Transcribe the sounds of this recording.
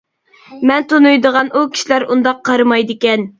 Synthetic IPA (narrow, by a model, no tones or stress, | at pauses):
mɛnt̪onujd̪əʁɑnʔukʲʰi̥ʃilæɾund̪ɑqʰːɑɾɨmɑjd̪ɨkʲɛn